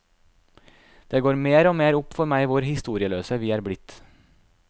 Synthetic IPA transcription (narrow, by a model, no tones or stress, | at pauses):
d̪̥eːɡoːɾmeːɾoːmeːɾʊpfɔɾmæɪʋʊɾhɪst̪uːɾɪəløːsəʋiːæːɾblɪt̪